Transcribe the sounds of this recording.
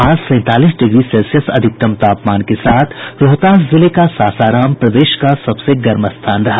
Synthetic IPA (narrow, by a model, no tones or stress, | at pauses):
aːzsɛ̃ːt̪aːliːsɖɪɡɾiselsijəsɐ̰d̪ʱɪk̚t̪ɐmt̪aːpmaːnkesaːt̪ʰɾoɦt̪aːszɪlekasaːsaːɾaːmpɾɐd̪eːʃkasɐbseɡɐɾməst̪ʰaːnɾɐɦa